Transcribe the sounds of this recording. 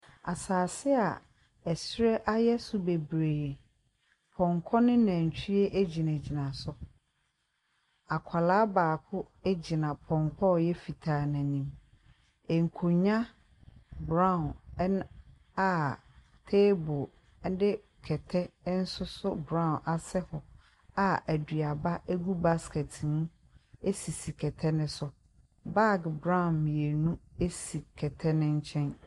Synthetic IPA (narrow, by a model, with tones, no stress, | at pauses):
a˨saː˨sɪ˦a˨ | ɛ˨sɾɛ˦ʔa˦jɛ˦sʊ˨be˨bɾeː˨ | pʰɔ̃˨ŋkʰɔ˦nɪ̃˦nã˨ɲ˨t͡ɕʰᶣi˦ɛ˦ʔe˦d͡ʑi˨nã˨d͡ʑi˨nã˨sʊ˦ | a˨kʷʰa˨laː˦baː˨kʰʊ˦ | e˦d͡ʑi˨nã˨pʰɔ̃˨ŋkʰɔ˦˨jɛ˦fi˨tʰaː˨nã˨nĩ˨m | ɛ˨ŋ̩˨kʰo˨ɲã˦ | bɾã˦˨n˦n | a˨ | tʰeː˦bɔʊ˨ | n̩˦dɪ˦ | kʰɛ˨tʰɛ˦n̩˦sʊ˦sʊ˦bɾã˦˨ʊ̃˨nʔa˨sɛ˦hɔ˨ | a˨æ˨dɥi˨a˨ba˦ʔe˦ɡu˦ba˦skɛ˨tʰnũ˦ | e˦si˨si˨kʰɛ˨tʰɛ˦nɪ̃˦sʊ˦ | ba˦ɡbɾã˦˨nmĩ˨e˨nũ˦e˦si˨kʰɛ˨tʰɛ˦nɪ̃˦ɲ̩˦t͡ɕʰɛ̃˦n